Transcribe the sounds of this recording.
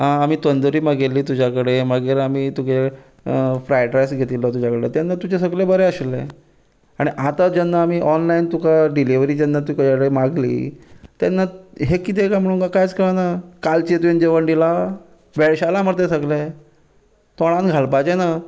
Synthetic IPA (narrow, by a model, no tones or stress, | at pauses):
ɦãːmiːt̪ənd̪oɾiːməɡelːiːt̪ud͡ʑakəɽeməɡiːɾamiːt̪uke | fɾajʈɾajsɡʱet̪ilɔt̪ud͡ʑakəɽet̪janːat̪ud͡ʑes̬əɡlebəɾeəɕilːḛ | aɽ̃iʔat̪ad͡ʑanːaːmiːʔɔnlaint̪ukaɖiliʋɾiːd͡ʑanːat̪̬ukd͡ʑakəɽemaɡlḭːt̪janːaɦekit̪̬ekam̤əɽ̃uːnkakajt͡skəɭanakalt͡ɕet̪uind͡ʑeʋənɖ̪ila | ʋeɭɕalaməɾt̪esəɡla | t̪ɔɽ̃ãnɡʱalpat͡ɕena